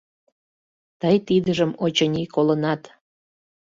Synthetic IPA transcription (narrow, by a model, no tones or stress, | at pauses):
t̪əjt̪id̪əʒəmot͡ɕənʲikolənɑt̪